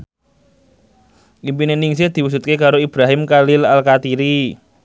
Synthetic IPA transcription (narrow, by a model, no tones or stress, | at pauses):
ʔimpineniŋs̬ed̪̥i̤wus̬ut̪̚kekaɾoib̥ɾaɦɪmkalɪlalkat̪iɾi